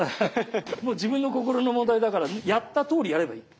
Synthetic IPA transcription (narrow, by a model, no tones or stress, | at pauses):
moːd͡ʑibɯ̟̃nːo̞ko̞ko̞ɾo̞no̞mõnd̪aid̪akaɾanjat̪ːat̪o̞ːɾʲijaɾe̞ba̰iː